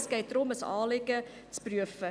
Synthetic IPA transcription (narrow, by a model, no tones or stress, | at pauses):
skɐjt̪rɔməsɑ̰ːlɛkə | spruəfə